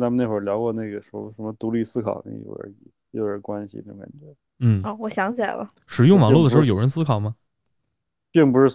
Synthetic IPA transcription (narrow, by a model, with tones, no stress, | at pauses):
t͡sa˥mə˧ne˥˩ɪwə˞˨˩ljɑ˧˥ʊkwɔ˥˧ne˥˩ɪɡə˩ʂɔ˧˥ʂə˧˥nmə˧t̪u˧˥li˥˧sɹ̩˥kʰɑ̰˨˩ʊnḛ˥˩ɡ̰ə̰˧ə̰˧˥i˧˩ | jo˥˩ʊə˧˥kwa˥nɕḭ˧d̪ə˥˩ka̰˨˩nt͡ɕɥɛ˧˥ | n̩˥˩ɔ˥˩wɔ˨˩ɕjɑ˧˥ŋt͡ɕʰjɛ̰˨˩lɐ̰˦ | ʂɻ̩˨˩jʊ˥˩ŋmɑ˨˥lu˥˩ə˩ʂ̩˧˥˩jo˨˩ʊə˧˥nsɹ̩˥kʰɑ˨˩ʊmɐ˦ | pi˥˩ŋpu˧˥ʂɻ̩˥˩